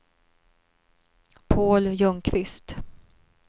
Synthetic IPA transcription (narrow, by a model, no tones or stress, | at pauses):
pʰoːljɵŋkʰvɪst̪